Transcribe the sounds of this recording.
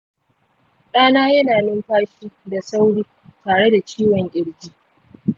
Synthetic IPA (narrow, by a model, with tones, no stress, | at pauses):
ɗaː˦naː˦jɐ˦naː˨nɪ˦mɸaː˦ʃiː˦da˨sa˦wɽiː˦ | taː˨ɽe˦da˨t͡ʃiː˦wɔ˨ŋʔʲɪ˨ɽd͡ʒiː˦